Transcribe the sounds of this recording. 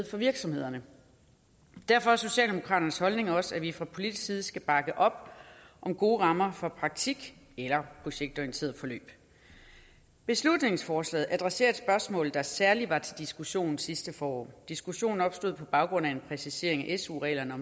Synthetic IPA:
fɒ̽ʋiɐɡ̥sɒ̽me̝ð̰ˠɐnə | d̥æɐfɒ̽æɐso̝ɕɛ̰ːld̥emo̝kʰʁɑ̰̈ːɾ̥ɐnəshɒ̽lne̝ŋɒ̽sæʋifʁɑ̈pʰo̝lid̥issiːð̞ˠsɡ̥æb̥ɑ̈ɡ̥əʔɒ̽b̥ʔɒ̽mɡ̥o̝ːʁɑ̈mɐfɒ̽pʰʁɑ̈ɡ̥̚t͡sʰiɡ̥ | elɐpʰʁo̝ɕeɡ̥̚d̥ɒʁient͡sʰe̝ːɐð̩ˠfɒ̽lø̰ːb̥ | b̥e̝slud̥ne̝ŋsfɒːslɛ̰ːð̩ˠæd̥ʁɛse̝̰ːɐd̥sb̥ɶɐsmɔ̰̽ːlð̩ˠd̥ɑ̈sæɐliʋɑ̈t͡sʰe̝ld̥isɡ̥uɕo̝̰ːn̩sisd̥əfɒːɒ̰ːd̥isɡ̥uɕo̝̰ːn̩ɒ̽b̥sd̥o̝ð̩̰ˠpʰɒ̽b̥ɑ̈ʊɡ̥ʁɔ̽næe̝npʰʁɛsise̝̰ɐ̰e̝ŋæʔesṵːʁɛ̰ːlɐnəɒ̽m

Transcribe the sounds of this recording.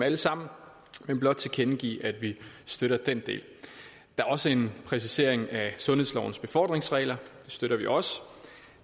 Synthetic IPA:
æləsɑ̈m̰n̩ | menb̥lɒ̽d̥̚t͡sʰe̝kʰenɡ̥ḭːʔæd̥ʋisd̥øɾ̥ɐd̥end̥e̝̰ːl | d̥ɑ̈æɐɒ̽səe̝npʰʁɛs̬ise̝ɐ̰e̝ŋæsɔ̽nheslɒʊn̩sb̥e̝fɒ̰ːd̥ʁe̝ŋsʁɛ̰ːlɐd̥e̝sd̥øɾ̥ɐʋiʔɒ̽s

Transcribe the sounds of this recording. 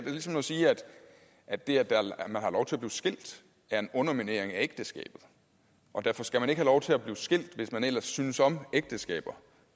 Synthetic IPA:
d̥e̝lisɒ̽mnɒsiːæd̥ | ʔæd̥ːe̝æɐd̥æmænhɑ̈lɒʊt͡sʰe̝æb̥liːʊsɡ̥e̝l̰d̥ | æɐe̝nɔ̽nɐmine̝ɐ̰eŋæeɡ̥d̥əsɡ̥ɛ̰ːb̥ð̞̩ˠ | ʔɒ̽d̥æɐfɒ̽sɡ̥æmæne̝ɡ̥hælɒʊt͡sʰe̝æb̥liːʊsɡ̥e̝l̰d̥ʋe̝smænel̰ɐsːyːnəsɒ̽meɡ̥̚d̥əsɡ̥ɛ̰ːb̥ɐ

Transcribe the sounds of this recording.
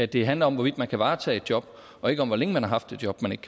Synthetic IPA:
æd̥e̝ɦænlɐɒ̽mʋɒʋid̥mænkʰæʋɑ̈ːt͡sʰɛ̰ːe̝d̥̚jɒ̽b̥ | ɒ̽e̝ɡ̥əɒ̽mʋɒ̽leŋəmænhɑ̈ɦɑ̈fd̥e̝d̥jɒ̽b̥mæne̝ɡ̥ə̥

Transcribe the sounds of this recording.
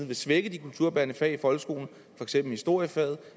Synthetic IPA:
ʋe̝sʋeɡ̥əd̥ikʰult͡sʰuɐ̰b̥ænəfɛifɒ̽lɡ̥sɡ̥o̝̰ːln̩ | fɒ̽eɡ̥semb̥l̩hisd̥o̝ɐ̰jəfɛð̞̩ˠ

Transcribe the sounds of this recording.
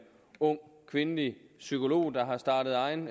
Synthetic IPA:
ɔ̽ŋ̰kʰʋe̝nəlisykʰo̝lo̝̰ːd̥ɑ̈ɦɑ̈sd̥ɑ̈ːd̥əð̞̩ˠɑ̈ɪn

